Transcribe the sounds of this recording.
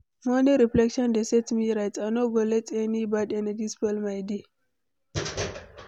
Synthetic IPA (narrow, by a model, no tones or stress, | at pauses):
mɔniɾiflɛkʃɔ̃ndesɛtmiɾajtanoɡolɛtɛnibadɛnad͡ʒispɛlmajdi